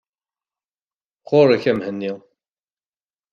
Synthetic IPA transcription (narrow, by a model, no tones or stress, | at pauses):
qʰoɾˤæçæmhənːi